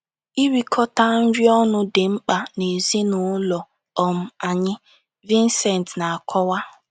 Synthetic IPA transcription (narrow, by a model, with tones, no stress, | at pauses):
i˦ɾi˦kʰɔ˦ta˦n̩˦ɾi˦ɔ˦nʊ˦dɪ˨ŋ͡m̩˦k͡pa˨ne˨zi˦nʊ˨˦lɔ˨ | ɔ˨m̩˦a˨ɲɪ˦ | vi˦n˦sɛ˨n˨tna˨a˨kʰɔ˦wa˦